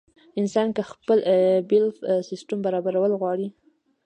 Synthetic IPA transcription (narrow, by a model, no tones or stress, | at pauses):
ɪnsɑnkaxpəlbɪlfsɪsʈambaɾɑbaɾawəlɣwɑɽi